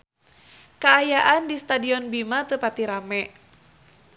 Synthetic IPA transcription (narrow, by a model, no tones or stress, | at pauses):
kaːjaʔandist̪adiɔnbimat̪əpat̪iɾamɛ